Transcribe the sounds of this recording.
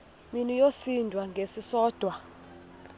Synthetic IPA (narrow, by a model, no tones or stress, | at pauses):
minijosindʱwaŋɡʱesisɔːd̥ʱwa